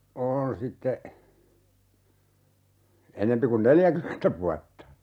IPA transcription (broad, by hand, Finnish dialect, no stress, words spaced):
on sitːe enempi kun neljækymentæ ʋuɑtːɑ